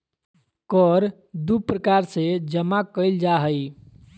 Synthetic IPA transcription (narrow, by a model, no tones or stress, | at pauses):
kɔɾ | d̪upɾəkaɾsed͡ʒəmakəɪld͡ʒaɦəj